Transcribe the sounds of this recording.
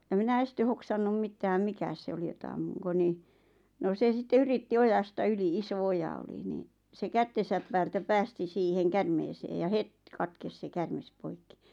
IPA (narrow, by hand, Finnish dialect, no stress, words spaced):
j̆ɑ minæ este hoksɑnːum mitːæːm mikæ se oli jotɑ ɑmːuŋko ni no se sitːe yritːi ojɑstɑ yli iso ojɑ oli niːn̆ se kætːesæp pæːltæ pæːsti siːheŋ kærmeːseː jɑ het kɑtkes se kærmes poikːi